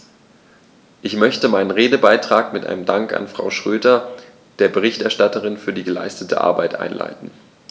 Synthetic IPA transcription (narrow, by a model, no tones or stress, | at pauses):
ʔɪçmœçtəmaɪnənʁeːdəbaɪtʁ̥aːkmɪtʔa̰ɪnəmdaŋka̰nfʁ̥a̰ʊʃʁ̥øːdɐ | d̥eːɐbəʁ̞ɪçtɛɐʃtatəʁɪnfyːɐdiːɡəla̰ɪstətʰə̰ʔa̰ɐbaɪtʔa̰ɪnla̰ɪtn̩